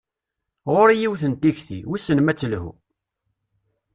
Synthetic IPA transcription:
ʁoɾijiwθənt̪içθḭwisənmæt͡sːəlhṵ

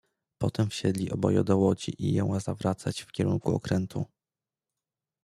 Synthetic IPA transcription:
pɔt̪ɛmfɕɛd̪lʲiʔɔbɔjɔ̰d̪ɔwɔd͡ʑiʔijɔ̃w̃azavɾʔat̪sat͡ɕfkʲɛɾuŋkuɔ̰kɾɛnt̪ʰu

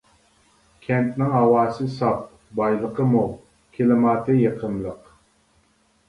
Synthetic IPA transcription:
kʲʰɛnt̪nɪŋɦɑwɑːsɨsɑp̚ | bɑjlˠəqəmu | kʲʰelɪmɑːt̪ʰɨjeqʰəmlˠəq

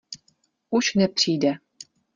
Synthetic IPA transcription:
uʃnɛpr̥iːdɛ

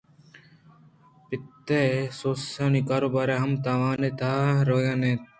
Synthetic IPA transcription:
pɪt̪ːeːsoːsaːniːkaːɾoːbaːɾeːɦɐmt̪aːʋaːneːt̪aːɾoːjanẽːt̪

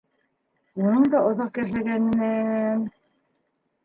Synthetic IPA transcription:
unɤɴd̪ɑʔŏðɑqkæʃlæɡænɘ̆næn

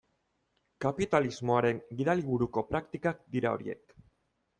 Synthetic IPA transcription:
kapit̪alizmo̞aɾe̞ŋɡiðaliβuɾuko̞pɾakt̪ikak̚d̪iɾao̞̰ɾḭe̞̰k

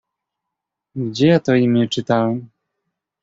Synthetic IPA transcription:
ɡd͡ʑɛjat̪ɔimʲɛt͡ʂɘt̪awɛm

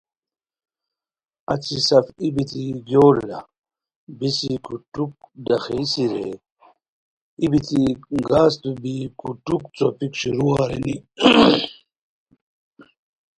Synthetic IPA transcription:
ɐ̰t͡sisɐfibit̪ʰiɡjoːlːɐ̰ | bisikutuk̚d̪ɐxeisiɾḛ | ibit̪iɡaːst̪ubikuʈukt͡sopikɕuɾuaːɾḛni

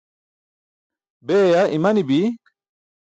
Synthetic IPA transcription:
beːjaʔimɐnibi

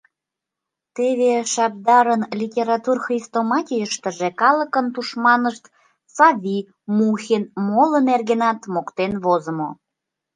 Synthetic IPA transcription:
t̪eβeʃɑp̚d̪ɑɾənlʲitʲeɾɑt̪urxrist̪omɑtʲijəʃt̪əʒekɑlə̆kənt̪uʃmɑnəʃt̪ | sɑvʲi | muxʲenmoləmerɣenɑt̪mokt̪enβozəmo

